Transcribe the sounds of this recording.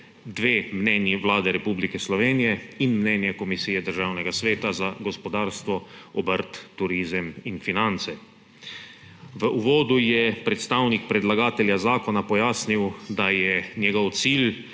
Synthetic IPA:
d̪ʋeːmnɛnjiʋlaːd̪ɛɾɛpublikɛslɔʋeːnijɛinmnɛːnjɛkɔmisiːjɛd̪əɾʒaːwnɛɡasʋeːt̪azaɡɔspɔd̪aːɾst̪ʋɔɔbəɾt̪ːuɾiːzəminfinant̪sɛ | ʋəʔuʋɔːd̪ujɛpɾɛt̪st̪awnik̚pɾɛd̪laɡaːt̪ɛljazaːkɔnapɔjaːsniwd̪ajɛnjɛɡɔwt̪siːl

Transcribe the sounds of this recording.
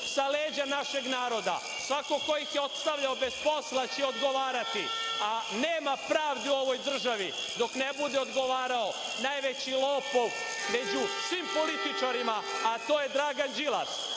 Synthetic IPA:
saleːd͡ʑanaʃe̞ɡnaːɾo̞d̪a̰ | sʋako̞ko̞jixjeo̞t̪st̪aʋʎaobespo̞slat͡ɕɛo̞d̪ɡo̞ʋaːɾat̪ianeːmapɾaːʋd̪iuo̞ʋo̞jd̪r̩ʒaʋi | d̪o̞kne̞bud̪eod̪ɡo̞ʋaːɾao̞ | naːjʋe̞t͡ɕilˠo̞ːpo̞ʋ | me̞d͡ʑusʋiːmpo̞lit̪it͡ʃaɾimaːt̪o̞ːje̞d̪ɾaːɡand͡ʒilˠa̰s

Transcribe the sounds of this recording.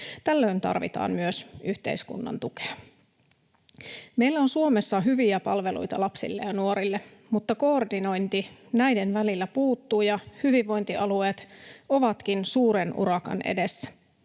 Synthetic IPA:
t̪ælːø̞ːnt̪ɑ̰rʋḭt̪ɑ̰ːmmyøsyht̪ḛiskṵnːɑ̰nt̪uke̥ɑ | me̞jlːæonsuome̞sːɑɦyʋiæpɑ̰lʋelṵjt̪ɑ̰lɑpsḭlːejɑnuoɾilːe | mut̪ːɑko̞ːrdino̞jnt̪inæjde̞nʋælilːæpuːt̪ːuːjɑhyʋiʋːo̞jnt̪iʔɑlue̞ːt̪o̞ʋɑt̪kinsuːɾenʔṵɾɑkɑ̰nʔḛde̞sːæ̥

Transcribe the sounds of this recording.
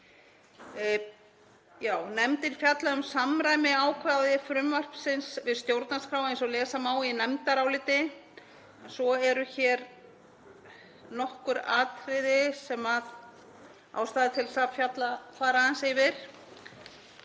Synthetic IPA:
jaːwnɛmt̪ɪɾfjat̪laʏmsamɾaːjmɪaːwkʰvaðɪfɾʏmvar̥psɪnsvɪðst̪jowɾt̪̚naskɾawaẽjnsɔlɛːsamaːwinɛmt̪aɾawlɪːt̪ɪ | ɛnsɔɛɾʏçɛːɾ | nɔhkʏɾa̰ːt̪ɾɪðɪsɛmað | a̰ːwst̪aːðɪt̪ʰɪlsafjat̪lafaːɾaansejvɪɾ̥

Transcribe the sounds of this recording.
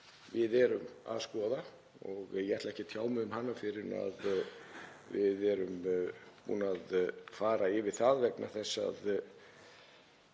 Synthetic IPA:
vɪðɛɾʏma̰ðskɔːða | ɔɣjɛɛht̪laɛhcɪt̪ʰjaːwmʏðʏmhanːafɪɾɪa̰ð | vɪðɛɾʏmpṵːnaðfaːɾaɪvɪðθaðvɛkna̰θɛsːa̰ð

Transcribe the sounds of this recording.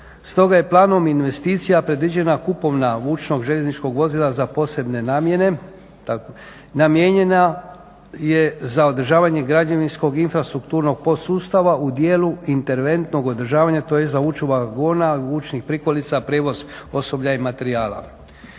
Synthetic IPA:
st̪o̞ɡaje̞plˠaːno̞minʋe̞st̪iːt̪sijapɾe̞d̪ʋid͡ʑe̞nakupo̞ʋnaʋuːt͡ʃno̞ɡʒe̞ʎe̞znit͡ʃko̞ɡʋo̞zilˠazapo̞ːse̞bne̞naːmje̞ne̞ | t̪a | namje̞ɲe̞na | jezao̞d̪r̩ʒaːʋaɲe̞ɡɾad͡ʒaʋinsko̞ɡinfɾast̪ɾukt̪uːɾno̞ɡ̚po̞suːst̪aʋaʔud̪jeːluint̪e̞ɾʋe̞nt̪no̞ɡo̞d̪r̩ʒaːʋaɲat̪o̞jezauːt͡ʃuʋaɡoːnauːt͡ʃnixpɾikolit̪sapɾeːʋo̞zo̞so̞bʎaimat̪e̞ɾiaːla̰

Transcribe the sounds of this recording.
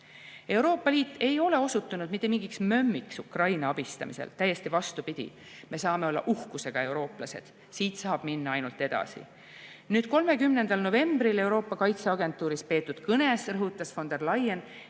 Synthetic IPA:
e̞wɾo̞ːpːˑɑliːt̪ːˑe̞jo̞le̞o̞sut̪ːunud̪̥mit̪ːˑemiŋɡiksmø̞mːiksukrɑjnɑɑb̥ist̪ɑ̰mḭsḛlt̪æjːe̞st̪ivɑst̪upid̪̥ʲḭ | me̞sɑːme̞o̞lːɑ̰ʔuhkuse̞ɡ̥ɑe̞uwɾo̞ːplɑse̞̰d̪̥ | siːt̪sɑːb̥minːɑɑjnult̪ːˑe̞d̪̥ɑ̰sḭ | nyːd̪̥ko̞lme̞kymne̞nd̪̥ɑlno̞ve̞mbrile̞wɾo̞ːpːˑɑkɑjt̪seɑɡe̞nt̪ːˑuːɾispe̞ːt̪ːˑud̪̥kɤne̞srɤɦut̪ːˑɑsfo̞nd̪e̞rlɑjen

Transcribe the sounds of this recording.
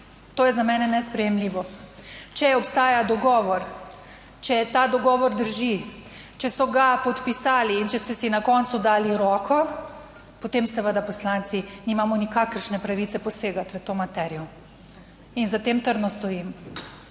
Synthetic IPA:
t̪oːjɛzamɛːnɛnɛspɾɛjɛmliːʋɔt͡ʃɛɛɔpst̪aːjad̪ɔɡɔːʋɔɾ | t͡ʃɛt̪aːd̪ɔɡɔːʋɔɾd̪əɾʒi | t͡ʃɛsɔɡapɔt̪pisaːliːnt͡ʃɛst̪ɛsinakɔnt̪sud̪aːliɾɔːkʰɔ | pɔt̪emsɛʋəd̪apɔslant̪sinimaːmɔnikakəɾʃnɛpɾaʋit̪sɛpɔseːɡat̪ʋət̪oːmat̪ɛɾijɔ | inzat̪eːmt̪əɾd̪nɔst̪ɔjim

